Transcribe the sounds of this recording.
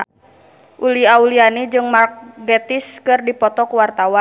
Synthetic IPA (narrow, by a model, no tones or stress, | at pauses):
ʔuliaulianid͡ʒɨŋmarkɡɛt̪iskɨrdipɔt̪ɔkuwart̪awan